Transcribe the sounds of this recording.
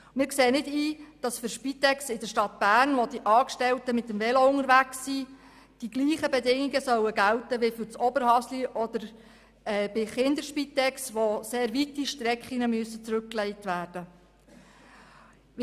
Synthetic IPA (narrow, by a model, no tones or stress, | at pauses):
mɪːɾkseːənɪdiːd̥ɑsfʏɾʃpit̪ɛksɪdəʃtɑtb̥æːrnʋod̥iʔɑːkʃtɛltəmɪtːəmvɛloʊŋəɾʋæksi | d̥iɡ̥liːχəbɛdɪŋiɡəsœwəɡæltəʋefʏɾt͡sɔbəɾhɑsliʔɔd̪̥əɾ | ɛbɪχɪnd̪əɾʃpit̪ɛksʋoseːɾʋitiʃtɾɛkχiŋəmyəsət͡sɾɵk̚klɛɪtʋæːrd̥ə